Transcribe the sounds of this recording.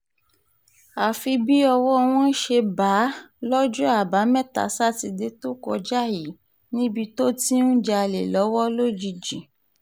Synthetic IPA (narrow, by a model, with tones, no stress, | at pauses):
a˨fi˧bi˦ɔ˧wɔ˦˧w̃ɔ̃˦ʃe˧ba˨˦lɔ˦d͡ʒũ˦a˦˨ba˨˦mɛ̃˦˨ta̰˨sa˦ti˧de˨˦to˦kɔ˧d͡ʒa˦˨ji˨˦ | nĩ˦bi˧to˦ti˦n̩˦d͡ʒa˧a˧le˨lɔ˨˦wɔ˦lo˦d͡ʒi˧d͡ʒĩ˨